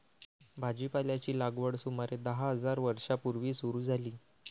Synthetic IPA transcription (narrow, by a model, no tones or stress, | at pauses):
bʱad͡ʑipaljat͡ɕiːlaɡʋəɽsumaɾed̪əɦaɦəd͡zaɾʋəɾʂapuɾʋiːsuɾuːd͡zʱaliː